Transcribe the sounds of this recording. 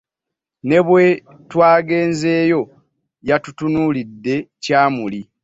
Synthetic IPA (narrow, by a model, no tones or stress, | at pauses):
ne̞βwe̞ | twaːɡe̞ːnze̞ːjo̞ | jatutunulidːe̞caːmuli